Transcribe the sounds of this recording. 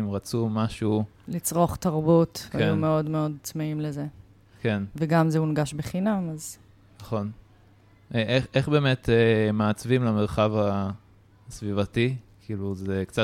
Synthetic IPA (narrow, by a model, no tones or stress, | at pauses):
imʁat͡sumaʃu | lit͡sʁo̞χtɐʁbutvajumeo̞dmeo̞d̚t͡smeimleze | kʰe̞nveɡamzeunɡaʃbeχinamaz | nɐχo̞n | ʔeʔeχʔeχbe̞ːmetemaːt͡svimlameʁχava | svivatikʰiːluzekt͡sa